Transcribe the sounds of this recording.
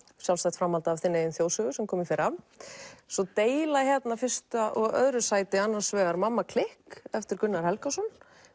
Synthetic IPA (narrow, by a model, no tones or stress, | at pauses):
sjawlsajht̪fɾamalt̪aːvθɪnːɪeʏmθjoːwsœɣʏsɛmkʰɔːmɪfɪɾam | sɔt̪eːjlaçjɛt̪nafɪr̥st̪aʔɔɣœðɾʏsaːjt̪ɪanːḁsvɛːɣaɾmamːakʰlɪhkɛft̪ɪɾkʏnːaɾ̥hɛlkasɔn